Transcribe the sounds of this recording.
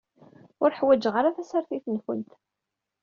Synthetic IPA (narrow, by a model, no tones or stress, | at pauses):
ʊɾħwæd͡ʒʁaɾaθæsaɾθiθənfənt̪